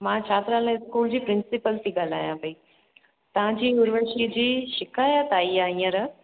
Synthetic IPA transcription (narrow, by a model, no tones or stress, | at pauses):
mãːt͡ɕʰaːt̪ɾãlẽɪskuːld͡ʑiːpɾɪnsɪpəlt̪ʰiːɡaːl̤a̰ːjãbɐi | t̪ɐʋ̤ãd͡ʑiːʊɾʋəʃid͡ʑiːʃɪkaːjət̪aːiaːĩːə̃ɾɐ